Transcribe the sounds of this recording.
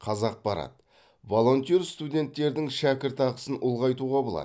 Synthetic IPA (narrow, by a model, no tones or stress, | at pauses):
qʰɑzɑq̚bɑɾɑ̰t̪ | vo̞lˠo̞nt̪ijerst̪ud̪ʲe̞nt̪ːe̞ɾd̪ɪŋʃækʲɪɾt̪ɑʁəsənʔʊlˠʁɑjt̪uʁɑbolˠɑ̰d